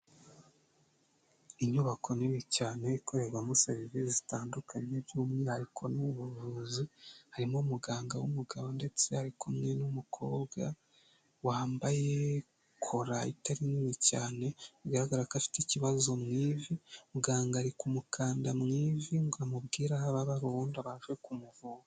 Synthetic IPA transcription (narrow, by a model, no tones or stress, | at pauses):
iɲuβakʰo̞nimicaːneikʰo̞ɾe̞ɾwamuseβiviizitaːndukʰaɲeβjuːmŋehaɾikʰo̞nuβuvuːzihaɾimomuɡaːŋɡawumuɡaβonde̞t͡se̞haɾikʰomŋenumukʰo̞ːbɡa | waːmbaje̞ | kʰo̞ɾaḭtaɾinimicaːne̞ɡaɾaɡaɾakafi̥teciβazo̞mŋiːvimuɡaːŋɡaɾikumukʰaːndamŋiːviŋɡuamub̚ɡiːɾahaβaβaɾondaβaːʒɡekumuvuŋa